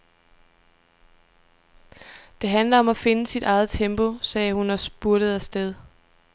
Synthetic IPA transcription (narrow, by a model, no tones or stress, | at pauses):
d̥e̝ɦænlɐɒ̽mæfe̝nəsid̥ʔɑ̈ɪð̞̩ˠt͡sʰemb̥o̝sɛːhunɒ̽sb̥uɐɾ̥əð̞̩ˠæsd̥eð̞ˠ